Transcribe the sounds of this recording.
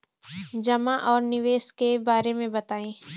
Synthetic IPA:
d͡ʒɐmaʔɔːɾnɪʋeːskebaːɾemẽbɐt̪aːẽː

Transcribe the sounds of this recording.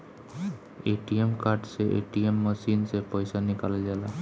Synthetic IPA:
eʈiemkaɾʈseʔḛʈiemːəsinsepəjsanikalad͡ʒala

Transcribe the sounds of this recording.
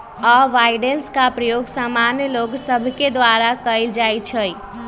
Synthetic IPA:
aʋajɖenskapɾəjoɡsamanjəloɡsəbʱked̪ʋaɾakəɪld͡ʒajt͡ʃʰəj

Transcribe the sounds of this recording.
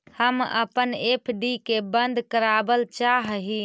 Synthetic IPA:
həmə̰pənepʰɖikebənd̪kəɾabəlt͡ʃaɦɦi

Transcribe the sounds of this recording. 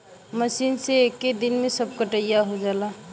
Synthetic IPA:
məsiːnseekːed̪inmẽsəb̚kəʈəjaɦod͡ʒaːla

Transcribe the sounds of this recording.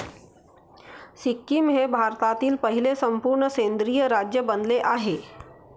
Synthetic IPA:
sikːimɦebʱaɾt̪at̪iːlpəɦilesəmpuːɾɳəsẽnd̪ɾiːjəɾad͡ʑjəbənleʔaɦe

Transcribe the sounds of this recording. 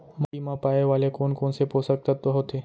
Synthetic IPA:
mɐimãpaːeʋaːlekoːnkoːnseposək̚t̪at̪oɦot̪eː

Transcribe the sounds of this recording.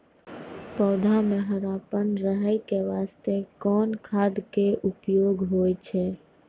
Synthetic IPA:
pɔːd̪ʱamẽɦəɾaːpənɾəɦəjkeʋaːst̪ekɔːnkʰaːd̪keʔʊpjoːɡɦoːt͡ʃʰɛː

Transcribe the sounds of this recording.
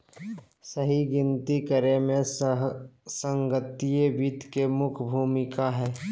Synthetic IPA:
səɦiɡɪnt̪ikəɾemẽ | sə̃ŋɡət̪ijeʋit̪kemʊkʰbʱuːmɪkaɦɛː

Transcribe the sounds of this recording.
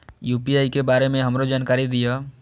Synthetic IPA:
juːpiaːikebaːɾemẽɦɐmɾod͡ʒaːnkaːɾid̪ijaː

